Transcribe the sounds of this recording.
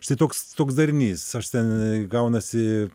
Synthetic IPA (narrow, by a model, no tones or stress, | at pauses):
t̪ɐɪt̪oːkst̪oːks̬d̪ɐɾʲnʲiːsɐʃt̪ʲɛnɡɐʊnɐsʲɪ